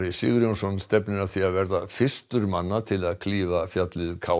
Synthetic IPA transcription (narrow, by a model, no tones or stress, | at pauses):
ɾɪsiɣɾjownsɔnst̪ɛpnɪnaθiaðvɛɾðafɪst̪ʏɾmanːat̪ʰɪlaðkʰliːvafjat̪lɪðkʰaː